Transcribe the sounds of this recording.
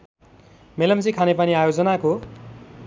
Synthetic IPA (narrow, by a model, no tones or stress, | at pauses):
melʌmt͡sikʰanepʌniajod͡zʌnako